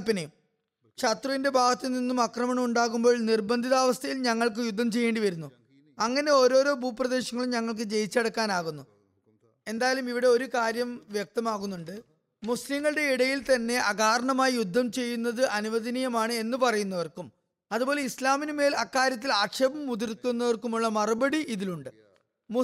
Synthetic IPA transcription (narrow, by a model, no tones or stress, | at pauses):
pːinɐjum | ʂɐt̪rɐʋinde̞bʱaːɡɐt̪ːiɨninːumɐkrɐmɐɳɐmuɳɖaːɣumbo̞ːɭnirbɐnd̪ʱiðaːʋɐst̪ʰɐjilɲɐŋːɐɭk̬ɨjud̪ʱːɐmt͡ɕe̞jːe̞ːɳɖiʋɐɾunːu | ɐŋːɐne̞o̞ːɾo̞ːɾo̞ːbʱuːprɐðe̞ːɕɐŋːɐɭumɲɐŋːɐɭk̬ɨd͡ʑe̞jit͡ɕːɐɽɐkːaːnaːɣunːu | e̞nd̪aːjɐlumiʋiɽe̞o̞ɾukaːɾjɐmʋjɐk̚t̪ɐmaːɣunːuɳɖɨ | muslimːɐɭɨɽe̞iɽɐjilt̪ɐnːe̞ʔɐɡaːɾɐɳɐmaːjijud̪ʱːɐmt͡ɕe̞jːunːɐðɨʔɐnuʋɐd̪ɐnijɐmaːɳɨe̞nːɨpɐrɐjunːɐʋɐrkum | ɐðubo̞ːle̞islaːminɨme̞ːlɐkːaːɾjɐt̪̬ːilaːkʂɐbɐmːud̪irkunːɐʋɐrkumuɭːɐmɐrɐbɐɽiʔiðiluɳɖɨ | mu